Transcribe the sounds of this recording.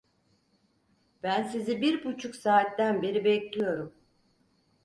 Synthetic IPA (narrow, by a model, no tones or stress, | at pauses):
b̥ænsizibiɾbut͡ʃʰuksaːt̪ːænbeɾibɛclʲijo̞ɾum